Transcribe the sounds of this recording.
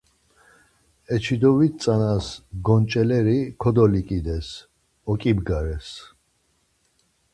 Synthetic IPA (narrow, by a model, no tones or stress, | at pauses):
ɛt͡ʃʰid̪ɔvit̪̚sʼanasɡɔnt͡ʃʼɛlɛɾikʰɔd̪ɔlikʼid̪ɛs | ɔkʼibɡaɾɛs